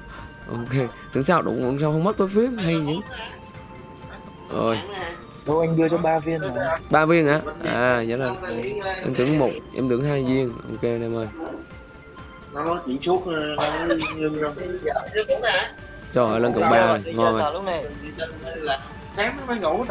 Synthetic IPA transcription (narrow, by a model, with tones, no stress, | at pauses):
ʔo˧ke˧t̪ɨ˨ə˦ŋs̬aː˧˨˩ɗʊ̰˧˨˩ŋ͡mṵ˧˩s̬aː˧whə˧wŋ͡mma˦˥t̚t̪o˨˦jfi˦˥əp̚ɦa˧jzɨ̰˧˨˦ | ʔə̰ː˨˩j | ɗo˧wʔa˧jŋ̟ɗɨ˧ət͡ɕɔ˧˦ɓaː˧vi˧ənɔ˨˩jɓaː˧vi˧ənʔa̰ː˨˦˧ʔa̰ː˨˩zə̰˧˨˦zə˨˩jʔɛ̰˧mt̪ɨ˨˦ə˦ŋmo˨˩t̚ʔɛ̰˧mt̪ɨ˨˦əŋhaː˧jzi˧ənʔo˧ke˧na˨˩məː˧˩j | nɔ˨˦nɔ˨˦t͡ɕḭ˧˦ŋsu˦˥t̚ːna˧˦ɲɨ˧ŋzɔ˧˨˦ | t͡ɕɔ˨˧˩əː˨˩lə˧nkə̰˨˩wɓaː˧˨˩ŋɔ˧na˨˧˨ | saː˨˦mə˨˧˦mʔa˧ŋɣə˨˧˩w